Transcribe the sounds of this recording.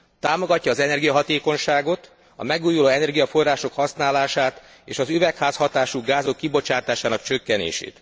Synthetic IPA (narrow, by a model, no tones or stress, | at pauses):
t̪aːmo̞ɡɒcːɒːzɛnɛrɡijɒɦɒt̪eːko̞nʃaːɡo̞t̪ | ɒ̰mɛɡuːjuloːɛnɛrɡijɒfo̞rːaːʃo̞khɒsnaːlaːʃaːt̪ | ḛːʃɒzyvɛkhaːshɒt̪aːʃuɡaːzo̞kːibo̞t͡ʃaːt̪aːʃaːnɒkt͡ʃø̞kːɛnḛːʃḛːt̪